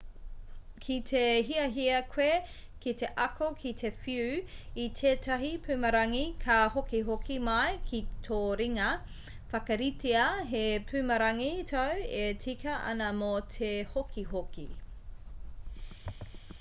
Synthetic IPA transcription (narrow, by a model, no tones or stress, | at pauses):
kʰitʰeɦiɐɦiɐkʰwekiteʔɐkʰokʰit̪ʰe̞fiʉitʰeːtɐɦipʰʉmɐɾɐŋikʰɐhokiɦokʰimɐjkʰitʰoːɾiŋɐ | fɐkɐɾiteɐɦepʰʉːmɐɾɐŋitʰɐwetʰikɐʔɐ̰nɐmotʰehokʰiɦoki